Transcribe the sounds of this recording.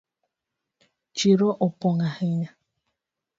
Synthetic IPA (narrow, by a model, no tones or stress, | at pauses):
t͡ʃiɾoʔopoŋaheɲa